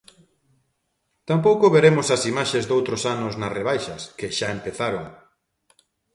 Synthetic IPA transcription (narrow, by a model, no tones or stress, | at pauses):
t̪ampowkʊβeɾemʊsɐsimaʃezd̪owt̪ɾosanʊznɐreβ̞ajʃɐskeʃaempeθaɾoŋ